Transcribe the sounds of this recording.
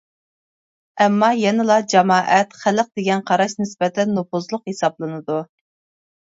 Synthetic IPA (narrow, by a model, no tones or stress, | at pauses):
ɛmːɑjɛnɪlˠɑd͡ʒɑmɑːʔɛt̪χæləq̚d̪eɡʲɛnqʰɑɾɑʃnɪsbɛt̪ʰɛnːupʊzlˠʊqhesɑblˠɨnɨd̪u